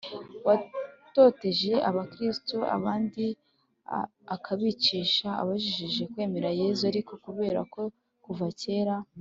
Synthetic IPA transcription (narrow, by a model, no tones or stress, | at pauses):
wato̞te̞ʒe̞ʔaβakɾistoʔa̰βaːndi | akʰaβit͡ʃiʃaa̰βaʒiʒiʒe̞kwe̞ːme̞ɾaje̞ːzuaɾiko̞kuβe̞ːɾako̞ | kuvace̞ːɾa